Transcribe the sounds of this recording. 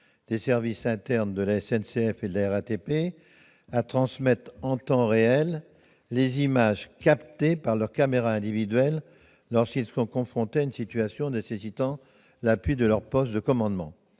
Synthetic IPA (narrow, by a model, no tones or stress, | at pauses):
d̪̥esɛʁvisɛ̃t̪ɛʁnd̪əlaɛsɛnseɛfed̪əlaɛʁat̪epe | at̪χɑ̃smɛt̪χɑ̃t̪ɑ̃ʁeɛlː | ezimaʒkapt̪epaʁlœʁkameʁaɛ̃d̪ivid̪ɥɛlː | ɔʁskilsɔ̃kɔ̃fχɔ̃t̪eaynsit̪ɥasjɔ̃nesesit̪ɑ̃ | lapɥid̪əlœʁpɔst̪d̪əkɔmɑ̃d̪mɑ̰̃